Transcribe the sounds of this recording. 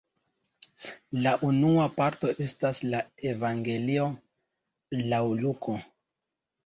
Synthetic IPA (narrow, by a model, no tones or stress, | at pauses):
laʔunuapaɾto̞ʔe̞staslae̞vaŋɡe̞lio̞ | lawlukʰo